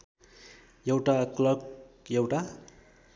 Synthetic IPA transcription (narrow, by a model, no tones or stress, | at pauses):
jʌwʈaklʌk | jʌwʈa